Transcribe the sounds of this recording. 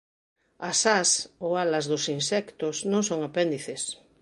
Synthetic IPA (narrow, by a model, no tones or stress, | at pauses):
asasoalazðosinsɛkt̪osnõŋsõŋapẽnd̪iθes